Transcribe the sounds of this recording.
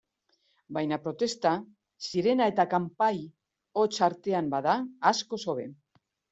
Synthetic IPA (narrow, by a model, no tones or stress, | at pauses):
bajnapɾo̞t̪e̞st̪a | siɾe̞nae̞t̪akampaj | o̞t͡ʃaɾt̪e̞ambaðaːsko̞so̞βe̞